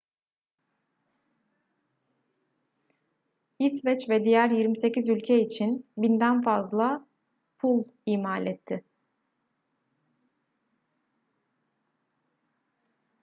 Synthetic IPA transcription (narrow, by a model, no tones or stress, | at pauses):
isvɛt͡ʃvɛd̪ijæɾjiɾmise̞cizylʲcʰɛit͡ʃʰinbind̪ænfazlˠa | pʰulˠiːmaːlʲɛt̪ʰːɪ